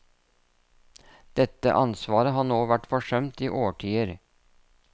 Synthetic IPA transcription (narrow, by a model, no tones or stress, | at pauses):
d̪̥ɛt̪ə̰ʔɑnsʋɑːɾəɦɑːnoːʋæʈfɔʂœmt̪iːʔoːʈʰiːəɾ